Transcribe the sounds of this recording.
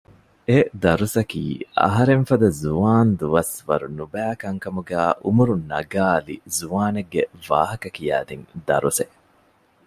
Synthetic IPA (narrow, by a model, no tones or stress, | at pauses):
ed̪ɐɾusɐkḭːɐ̰ɦɐɾeɱfɐd̪ɐzuaːnd̪uʋɐsʋɐɾunubæːkɐŋkɐmuɡæːʔumuɾunɐɡaːlizuaːneɡːeʋa̰ːɦɐkɐkijæ̰ːd̪iŋd̪ɐ̰ɾuse